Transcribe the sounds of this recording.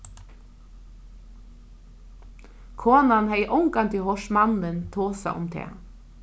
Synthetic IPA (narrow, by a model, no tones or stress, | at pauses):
kʰoːnanhɛjʔɔŋkant̪ʰɪhɔʂmanɪnt̪ʰoːsa̰ʔʊ̰mt̪ʰɛ̰ː